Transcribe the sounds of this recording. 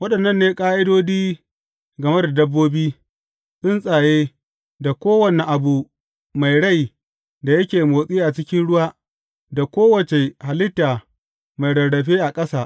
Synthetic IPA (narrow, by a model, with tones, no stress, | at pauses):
wɐ˦ɗɐ˨nːɐ˦nːeː˦kʼaː˦ʔɪ˦doː˦diː˦ | ɡɐ˨me˦da˨dɐ˦bːoː˦biː˦ | sʊ˦nsʼaː˨jeː˦ | da˨kʷoː˦wɐ˨ne˨ʔa˨bu˨ | ma˨jɽa˦˨j | da˨jɐ˦kʲeː˨moː˨sʼiː˦ʔa˨t͡ʃɪ˦kʲɪ˦nɽʊ˦waː˦ | da˨kʷoː˦wɐ˨t͡ʃe˨ha˨lɪ˦tːaː˨ | ma˨jɽɐ˨ɽɐ˨ɸeː˦ʔa˨kʼɐ˦saː˨ʔ